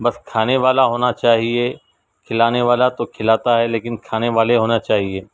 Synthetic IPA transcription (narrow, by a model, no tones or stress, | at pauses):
bɐskʰaːneʋaːlaɦoːnat͡ʃaːɦie | kʰɪlaːneʋaːlat̪okʰɪlaːt̪aɦɛleːkɪnkʰaːneʋaːleɦoːnat͡ʃaːɦieː